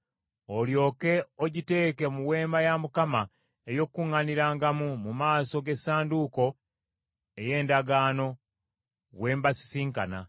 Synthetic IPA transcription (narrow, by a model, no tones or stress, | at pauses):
o̞ljo̞ːke̞oɟite̞ːke̞muwe̞ːmbajamukama | ejo̞kːuŋːaniɾaːŋɡamumumaːso̞ɡe̞saːnduko̞ | e̞je̞ːndaɡaːno̞ | βwe̞ːmbasi̥siːŋkana̰